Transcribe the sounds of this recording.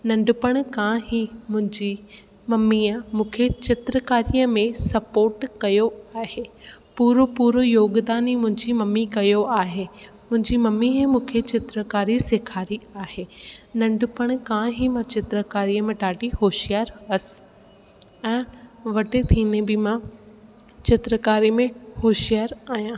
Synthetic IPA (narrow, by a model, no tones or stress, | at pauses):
nɐ̃ɳɖʊpəɽ̃kãːɦimʊ̃ɦɪ̃ɲd͡ʑi | mɐmːiːəmũːkʰet͡ɕɪt̪ɾəkaːɾijəmẽsɐpoːɾʈkɐjoaːɦeːpuːɾopuːɾojoːɡd̪aːnimʊ̃ɦɪ̃ɲd͡ʑimɐmːikɐjoaːɦeː | mʊ̃ɦɪ̃ɲd͡ʑimɐmiɦẽmũːkʰet͡ɕɪt̪ɾəkaːɾiseːkʰaːɾiaːɦeːnɐ̃ɳɖʊpəɽ̃̆kãːɦimãt͡ɕɪt̪ɾəkaːɾijəmẽɖaːʈihoːʃijaːɾɐsɪ̥̆ | ɛ̃ːʋɐʈet̪ʰiːnebɪmã | t͡ɕɪt̪ɾəkaːɾimẽhoːʃijaːɾaːɦjãː